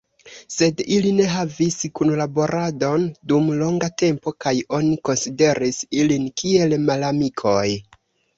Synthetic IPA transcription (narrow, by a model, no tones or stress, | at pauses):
se̞diline̞ɦaviskunlabo̞ɾʔado̞ndumlo̞ŋɡate̞mpo̞kajo̞niko̞nside̞ɾisilinkie̞lmalamikʰo̞j